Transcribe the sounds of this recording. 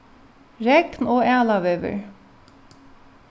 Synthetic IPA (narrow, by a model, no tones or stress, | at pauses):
ɾɛɡnoːʔæːlɑʋøːʋə̰ɹ